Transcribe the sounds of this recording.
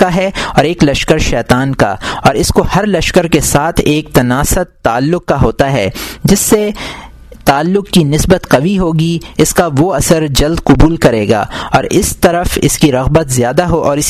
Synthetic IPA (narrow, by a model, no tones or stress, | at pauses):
aɦɛɔːɾeːklɐʃkəɾʃɛːt̪aːnka̰ɔːɾɪskohɐɾlɐʃkəɾkesaːt̪ʰeːk̚t̪ɐnaːsət̪ːaːlːʊq̚kaɦoːt̪aɦɛ̰ːd͡ʒɪsːe | t̪aːlːʊqkinɪsbət̪qɐʋiɦoːɡiɪskaʋoɐsəɾd͡ʒɐld̪qʊbuːlkɐɾeːɡa̰ːɔːɾɪst̪ɐɾəfɪ̰skiɾɐɣbət̪zjaːd̪aɦoʔɔːɾɪs